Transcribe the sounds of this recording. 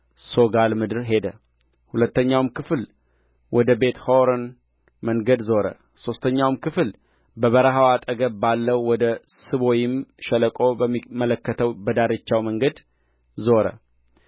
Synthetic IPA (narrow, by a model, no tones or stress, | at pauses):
so̞ɡalmɨd̪ɨɾɦe̞d̪ə | hulət̪ːəɲːawmkʰɨfl | wʔɔd̪əbet̪hoɾən | məŋɡəd̪zo̞ɾə̰ | so̞st̪ʰəɲːawmkʰɨfɨl | bəβəɾəɦawat̪ʼəɡəbbalːəwwɔd̪əsɨβojɪmʃɛləkʼo̞bəmimələkːət̪ʰəwbəd̪aɾɨt͡ʃːawməŋɡəd̪ | zo̞ɾə̰